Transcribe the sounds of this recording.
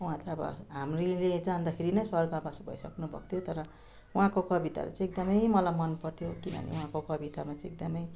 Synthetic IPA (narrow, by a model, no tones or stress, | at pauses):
uãt̪aʌbʌ̰ɦamriled͡zand̪akʰeɾinʌjswʌrɡabʌsbʱʌ̰isʌknubʱʌ̰k̚t̪ʰjot̪ʌɾʌ | uɦãkokʌbit̪a̰ɾṵt͡sʌ̃ek̚d̪ʌmʌjmʌlajmʌnpʌrt̪ʰjokinʌ̰nḛũɦãkokʌbit̪amat͡sʌ̃ek̚d̪ʌmʌj